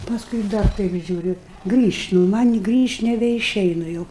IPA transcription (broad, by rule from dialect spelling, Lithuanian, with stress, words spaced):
pɐsˈkʊɪ ɪ ˈdɐr ˈtɐɪp ʒʲuːˈrʲʊ ɡrʲiːʃʲtʲ nʊ mɐnʲ ɪ ˈɡrʲiːʃʲtʲ nʲɛbʲɛɪˈʃʲɛɪnʊ jɛʊ